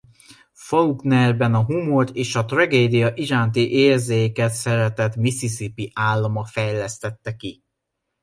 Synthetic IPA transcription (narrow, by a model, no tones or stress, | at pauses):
fɒuɡnɛrbɛnɒɦumort̪eːʃɒt̪rɒɡeːd̪ijɒʔiʒaːnt̪iʔeːrzeːjekɛt̪sɛɾɛt̪ɛt̪misisipiʔaːlːɒmɒfɛjlɛst̪ɛt̪ːɛki